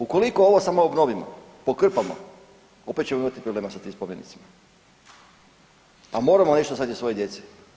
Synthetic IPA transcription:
uko̞liko̞oʋo̞samoobno̞ʋimo̰ | pokr̩pamo̰ | opet̪t͡ɕe̞moimat̪ipɾobleːmasat̪iːmspoʋjenit̪sima | amo̞ːɾamone̞ʃt̪ozat̪isʋo̞jed̪je̞t̪si̥

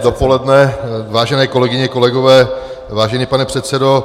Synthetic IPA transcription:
dopo̞lɛdnɛvaːʒɛnɛːkolɛɡɪɲɛko̞lɛɡovɛː | vaːʒɛniːpanɛpr̥ɛt̪sɛdo̞

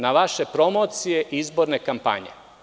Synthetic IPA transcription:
naʋaʃe̞pɾo̞mo̞ːt̪sije̞ʔizbo̞ɾne̞kampa̰ɲe̞̰

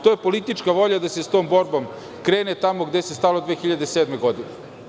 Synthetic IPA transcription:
t̪oːjepolit̪it͡ʃkaʋo̞ʎad̪asest̪o̞ːmbo̞ɾbo̞m | kɾe̞ːnet̪amo̞ɡd̪esest̪alod̪ʋeːxiʎad̪e̞seːd̪me̞ɡo̞d̪ine

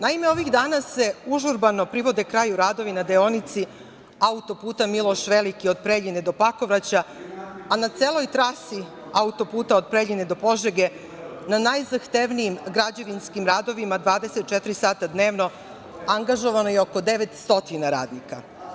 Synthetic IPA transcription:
naime̞o̞ʋiɣd̪aːnase̞uʒuɾbano̞pɾiʋo̞d̪e̞kɾaːjuɾaːd̪o̞ʋinad̪eo̞nit̪si | aut̪o̞puːt̪amilˠo̞ʃʋe̞likio̞d̪̚pɾeʎined̪o̞pako̞ʋɾat͡ɕaanat̪seːlˠo̞jt̪ɾasi | aut̪o̞puːt̪aod̪̚pɾeʎʲined̪o̞po̞ʒeɡe̞ | nanajzaxt̪eʋnijimɡɾad͡ʑeʋinskimɾaːd̪o̞ʋimad̪ʋaːd̪e̞set̪̚t͡ʃet̪ɾisaːt̪ad̪ne̞ːʋno̞ | aŋɡaʒo̞ʋano̞jeo̞ko̞d̪e̞ʋet̪st̪o̞t̪inaɾa̰ːd̪nika

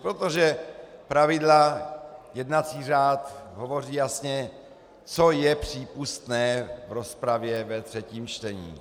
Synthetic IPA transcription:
pɾot̪oʒɛpɾavɪdla | jɛd̪nat͡siːraːt̪ɦovo̞r̝iːjasɲɛ | t͡sojɛpr̥iːpust̪nɛːvɾospɾavjɛvɛt̪r̥ɛciːmt͡ʃt̪ɛɲḭː

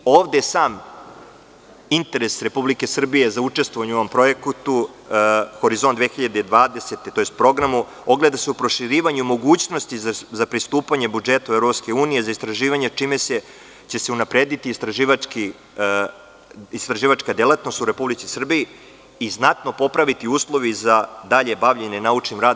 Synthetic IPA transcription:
oːʋd̪esaːm | int̪e̞ɾe̞sɾe̞publike̞sr̩bije̞zaut͡ʂest̪vʋoʋaɲuoompɾo̞je̞kt̪u | xo̞ɾizond̪ʋexiʎad̪eid̪ʋaːd̪e̞set̪et̪o̞jest̪pɾo̞ɡɾamu | o̞ɡle̞d̪ase̞upɾo̞ʃiɾiːʋaɲumo̞ɡuːt͡ɕno̞st̪izzapɾist̪uːpaɲe̞bud͡ʒet̪aevɾo̞pske̞uːnijezaist̪ɾaʒiːʋaɲe̞t͡ʂimese̞ | t͡ɕe̞seunapɾeːd̪it̪iːst̪ɾaʒiːʋaki | ist̪ɾaʒiːʋat͡ʃkad̪elˠat̪no̞st̪uɾe̞publit̪sisr̩biji | iznat̪no̞po̞pɾaʋit̪iuːslˠo̞ʋizad̪aʎe̞baʋʎe̞nenaut͡ʂnimɾaːd̪

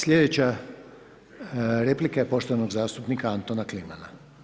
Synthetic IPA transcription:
sʎʲe̞d̪et͡ɕa | ɾeplikaje̞po̞ʃt̪oanoɡzaːst̪upnikaant̪onaklimana

